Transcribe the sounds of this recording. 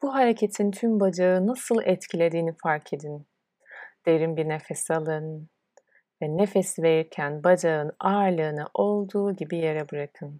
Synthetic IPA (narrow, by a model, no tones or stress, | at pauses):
b̥uɦaɾecʰet̪ʰint̪ʰymbad͡ʒaɯnasɯlˠɛt̪cʰilʲe̞d̪iːnifaɾkʰed̪in | d̪̥e̞ɾimbiɾnefɛsalˠɯn | vɛnefɛsiveɾiɾcʰænbad͡ʒaɯnaːɾlˠɯːnɯʔo̞lˠd̪uːɟibije̞ɾɛbɯɾakʰɯn